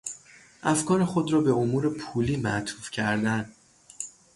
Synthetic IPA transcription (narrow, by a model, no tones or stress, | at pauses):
ʔæfkʰɒːɾexo̞d̪ɾɒːbe̞omuːɾe̞pʰuːliːmæt̪ʰuːfcʰæɾd̪æn